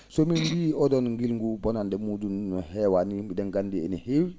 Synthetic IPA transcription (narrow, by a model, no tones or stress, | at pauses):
somimbiːɔdɔnŋɡilŋɡubɔnandɛmudunnɔhɛwanimidɛŋɡandiḛnihewi